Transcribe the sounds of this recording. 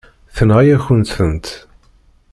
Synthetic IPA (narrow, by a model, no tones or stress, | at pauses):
θənʁijæçənt̪θənt̪